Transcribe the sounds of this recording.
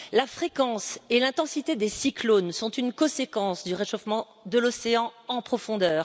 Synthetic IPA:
lafχekɑ̃selɛ̃t̪ɑ̃sit̪ed̪esiklonsɔ̃t̪ynkɔ̃sekɑ̃sd̪yʁeʃofmɑ̃ | d̪əlɔseɑ̃ɑ̃pχɔfɔ̃d̪œːʁ

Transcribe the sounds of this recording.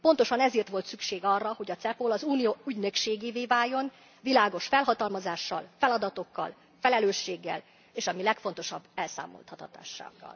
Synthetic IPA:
po̞nt̪o̞ʃɒnɛzeːrt̪ʋo̞lt̪sykʃeːɡɒrːɒho̞ɟɒt̪sɛpolɒzuːnijoːyɟnø̞kʃeːɡeːveːvaːjːo̞n | vilaːɡo̞ʃfɛlɦɒt̪ɒlmɒzaːʃːɒ̰lfɛlɒd̪ɒt̪o̞kːɒ̰l | fɛlɛløːʃːeːɡːɛ̰l | eːʃɒmilɛkfo̞n̪t̪o̞ʃɒbːɛlsa̰ːmo̰lt̪hɒt̪ɒt̪a̰ːʃːa̰ːɡːɒ̰l

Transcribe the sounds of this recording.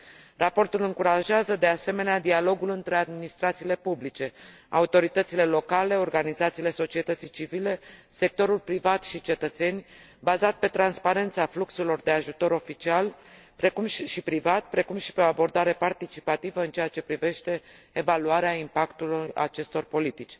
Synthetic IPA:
rapo̞rt̪ulɨŋkuɾaʒeazəd̪e̞ase̞me̞nead̪ialo̞ɡulɨnt̪ɾe̞ad̪minist̪ɾat̪siːle̞publit͡ʃe̞ | a̰ut̪o̞ɾit̪ət̪sile̞lo̞kale̞o̞rɡanizat̪sile̞so̞t͡ʃie̞t̪ət̪sijt͡ʃivile̞se̞k̚t̪o̞ɾulpɾivat̪ʃit͡ʃe̞t̪ət̪se̞nʲ | bazat̪̚pe̞t̪ɾanspaɾe̞nt̪safluksulo̞rd̪eaʒut̪o̞ɾo̞fit͡ʃialpɾe̞kumʃipɾivat̪pɾe̞kumʃi̥pe̞o̞abo̞rd̪aɾe̞part̪it͡ʃi̥pat̪ivəɨnt͡ʃe̞jat͡ʃe̞pɾive̞ʃt̪e̞ː | valuaɾeaimpakt̪uluja̰t͡ʃe̞st̪o̞rpo̞lit̪it͡ʃʲ

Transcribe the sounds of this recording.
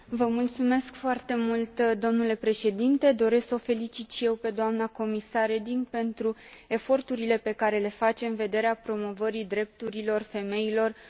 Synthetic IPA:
vəmult̪sume̞skfoart̪e̞mult̪d̪o̞mnule̞pɾe̞ʃe̞d̪int̪e̞d̪o̞ɾe̞sksofe̞lit͡ʃit̪ʃije̞wpe̞d̪oamnako̞misared̪iŋɡpe̞nt̪ɾue̞fo̞rt̪uɾile̞pe̞kaɾe̞le̞fat͡ʃe̞ɨnve̞d̪e̞ɾeapɾo̞mo̞vəɾid̪ɾe̞p̚t̪uɾilo̞rfe̞me̞ilo̞r

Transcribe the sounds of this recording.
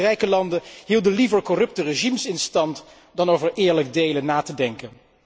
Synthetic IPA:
rɛjkəlɑndəɦiːlˠdəlivəɹkɔrɵp̚təreʒimsɪnstɑnt | dɑnowvəɹʔɪːɹlək̚dejlənːaːtədɛŋkən

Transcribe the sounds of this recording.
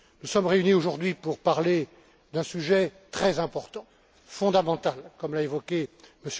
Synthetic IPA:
nusɔmʁeynioʒuʁd̪ɥipuʁpaʁle | d̪ɛ̃syʒɛt̪χɛzɛ̃pɔʁt̪ɑ̃ | fɔ̃d̪amɑ̃t̪alkɔmlaevɔkʲeməs

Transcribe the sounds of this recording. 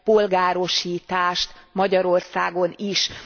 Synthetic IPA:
po̞lɡaːɾo̞ʃiːt̪aːʃt̪mɒɟɒɾo̞rsaːɡo̞niʃ

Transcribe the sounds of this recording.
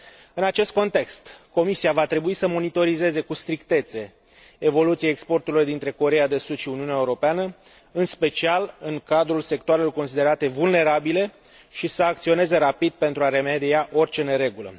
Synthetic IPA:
ɨnat͡ʃe̞st̪̚ko̞nt̪e̞kst̪ko̞misiavat̪ɾe̞buisəmo̞nit̪o̞ɾize̞ze̞kust̪ɾikt̪e̞t̪se̞ː | vo̞lut̪sijeekspo̞rt̪uɾlord̪int̪ɾe̞ko̞ɾe̞jad̪e̞sud̪ʃiuniuneaeuɾo̞peanə | ɨnspe̞t͡ʃialɨŋkad̪ɾulse̞k̚t̪oaɾelo̞rko̞ns̬id̪e̞ɾat̪e̞vulne̞ɾabile̞ | ʃisəak̚t̪sio̞ne̞ze̞ɾapid̪̚pe̞nt̪ɾuaɾe̞med̪iaʔo̞rʲt͡ʃe̞ne̞ɾe̞ɡulə̰

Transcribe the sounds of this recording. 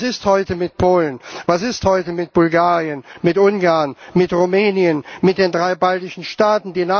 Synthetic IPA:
sɪsthɔʏtəmɪt̚pʰoːlənvasɪsthɔʏtəmɪt̚b̥ʊlɡaːʁiənmɪtʔʊnɡaɐnmɪtʁumɛːniənmɪt̚d̥eːndʁaɪbaltɪʃn̩ʃtaːtn̩diːna

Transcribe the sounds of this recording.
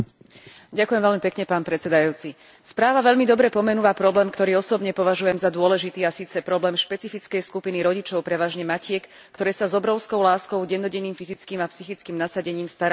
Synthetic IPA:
ɟakʊjɛmvɛʎmipɛkɲɛpaːnpɾɛt͡sɛd̪ajuːt͡si | spɾaːʋaʋɛʎmid̪ɔbɾɛpɔmɛnuʋapɾɔblɛːmkt̪ɔɾiːɔsɔbɲɛpɔʋaʒujɛmzad̪ʊɔlɛʒit̪iːasiːt͡sɛpɾɔblɛːmʃpɛt͡sifit͡skɛjskupiniɾɔɟit͡ʃɔʊpɾɛʋaːʒɲɛmacɪɛkː | t̪ɔɾɛːsazɔbɾɔʊskɔʊlaːskɔʊɟɛnːɔɟɛniːmfizit͡skiːmapsixit͡skiːmnasaɟɛɲiːmst̪aɾa

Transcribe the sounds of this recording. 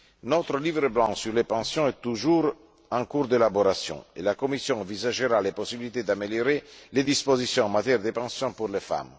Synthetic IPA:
not̪ɾəlivɾəblɑ̃syɾlepɑ̃sjɔ̃ɛt̪ːuʒuːɾ | ɑ̃ŋkuɾd̪elaboɾasjɔ̰̃ḛlakomisjɔ̃ɑ̃vizaʒəɾaleposibilit̪ed̪ameljoɾeled̪ispozisjɔ̃ɑ̃mːat̪jɛɾd̪epɑ̃sjɔ̃puɾlefa̰m

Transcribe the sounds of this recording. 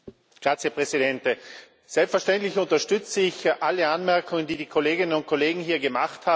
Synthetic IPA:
ɡ̥ʁaːt͡sjəpʁ̥ɛzidɛntə | z̥ɛlpsfɛɐʃtɛntlɪçʊntɐʃtʏt͡səɪçʔaləanmɛɐkʰʊŋəndiːdiːkʰoleːɡɪnənʊnt̚kʰoleːɡŋ̩ɦiːɐɡəmaχthaː

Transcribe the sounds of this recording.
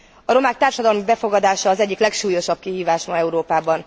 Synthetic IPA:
ɒɾo̞maːk̚t̪aːrʃɒd̪ɒlmibɛfo̞ɡɒd̪aːʃɒːzɛɟːiklɛkʃuːjo̞ʃɒb̚kihiːvaːʃmɒɛuɾoːpaːbɒn

